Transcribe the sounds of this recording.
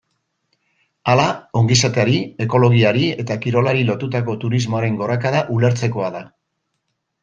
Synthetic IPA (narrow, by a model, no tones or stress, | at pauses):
alao̞ŋɡisat̪eaɾie̞ko̞lo̞ɣiaɾie̞t̪akiɾo̞laɾilo̞t̪ut̪ako̞t̪uɾizmo̞aɾe̞ŋɡo̞ɾakað̞aʔule̞ɾt͡se̞ko̞aða